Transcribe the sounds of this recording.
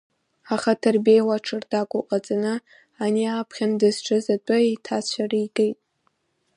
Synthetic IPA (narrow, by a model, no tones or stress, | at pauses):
aχatʰɨrbejwaʈ͡ʂʰɨrdakʷʼʊqʼat͡sʼanɨ | aniapʰχʲandɨzʈ͡ʂʰɨzat͡pʷʼʊitʰat͡ɕʷʰarɨjɡejtʼ